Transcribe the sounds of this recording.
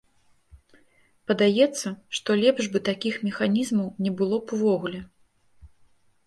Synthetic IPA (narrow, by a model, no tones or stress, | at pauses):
pɐd̪ajɛt̪sːɐʂt̪ɔlʲɛbʐbɨt̪akʲixmʲɛxanʲizmɐwnʲɛbɨlˠɔpuvɔɣulʲɛ